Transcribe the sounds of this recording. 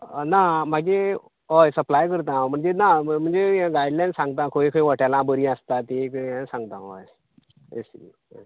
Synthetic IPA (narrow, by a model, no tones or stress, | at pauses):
nam̤aɡe | ɦɔjsəplajkəɾt̪̬ãm̤əɳd͡zenam̤əɳd͡zeɡajlansãŋɡt̪ãkʰoĩkʰəĩʋəʈalãbəɾĩəst̪at̪ikəãsãŋɡ̚t̪ãɔ̰j | ḛsii | a